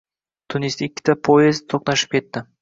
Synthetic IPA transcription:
t̪ʰʊnist̪ɪkʲːɪ̥t̪ʰapʰoezt̪t̪ʰːoqnaʃɪ̥p̚kʲʰe̞t̪ːɪ

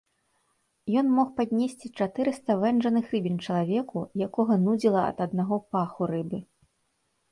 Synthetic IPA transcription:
jɔnmɔxpad̪ʲnʲesʲt͡sʲit͡ʂat̪ɨɾɨst̪ɐvɛnʐɐnɨxrɨbʲint͡ʂɐlˠavʲɛkujakɔɣɐnud͡zʲilˠɐɐ̰t̪ɐd̪naɣɔpaxuɾɨbɨ

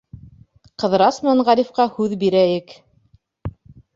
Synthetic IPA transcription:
qɤ̆ðɾɑsnɑɴʁɑɾʲifqɑhʉðbiɾæjɘk

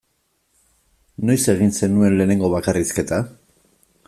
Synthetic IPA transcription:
no̞jse̞ɣ̞inse̞nue̞nle̞ːne̞ŋɡo̞βakariske̞t̪a

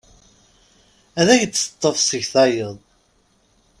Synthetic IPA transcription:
æðæçt͡sːə̥t̪ˤːəfsəʝθɑjəðˤ

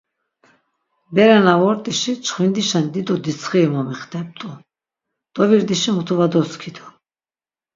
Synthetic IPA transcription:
bɛɾɛnavɔɾt̪ʼiʃit͡ʃʰχwind̪iʃand̪id̪ɔd̪it͡sʰχimɔmiχt̪ʰɛp̚t̪ʼu | d̪̥ɔviɾd̪iʃimut̪ʰuvad̪ɔskʰid̪ɔ

